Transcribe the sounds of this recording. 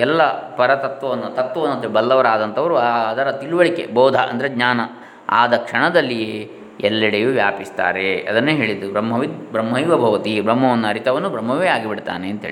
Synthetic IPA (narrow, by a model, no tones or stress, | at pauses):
ɛlːɐpɐɾɐt̪ɐt̪ʋɐʋɐnːɐt̪ɐt̪ʋɐʋɐnːɐt̪ːɐbɐlːɐʋɐɾaːd̪ɐnt̪ʰɐʋɐɾuad̪ɐɾɐt̪iɭuʋɐɭikḛbɔːd̪ʱɐ̰ʔɐ̰nd̪ɐɾeɡɲaːnɐ | a̰ːd̪ɐkʂɐɳɐd̪ɐlːie | ɛlːɐɽejuʋjaːpist̪a̰ːɾeɐd̪ɐnːeːɦe̞ːɭid̪ubɾɐmːɐʋid̪̚bɾɐmːɦɐjʋɐbʱɐʋɐt̪ibɾɐmːɐʋɐnːɐɾit̪ɐʋɐnːubɾɐmːɐʋeːaːɡibiɽt̪a̰ːneɐnt̪ɦḛːii